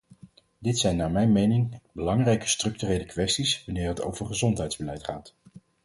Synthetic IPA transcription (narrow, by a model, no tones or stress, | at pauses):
dɪtsɛjnːaːmɛjnmejnɪŋbəlɑŋrɛjkə̥strɵk̚tyrejləkʋɛstisʋanɪːɹɦəto̰wvəɹχəzɔntɦɛjdzbəlɛjtχaːt